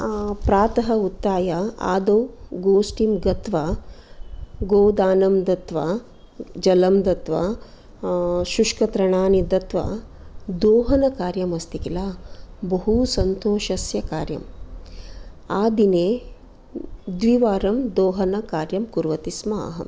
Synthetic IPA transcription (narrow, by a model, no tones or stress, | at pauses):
pɾaːt̪ɐɦɐut̪ːaːjaa̰ːd̪ɐwɡoːsʈimɡɐt̪ʋɐ | ɡoːd̪aːnɐmd̪ɐt̪ʋɐ | d͡ʒɐlɐmd̪ɐt̪ʋɐ̰ | ʃuʂkɐt̪ɾɐɳaːnid̪ɐt̪ʋɐ̰d̪oːɦɐnɐkaːɾjɐmɐst̪ikilaːbɐɦusɐnt̪oːʃɐsjɐkaːɾjɐ̰m | aːd̪ineː | d̪ʋiʋaːɾɐmd̪oːɦɐnɐkaːɾjɐmkuɾʋɐt̪ismɐɐ̰ɦɐ̰m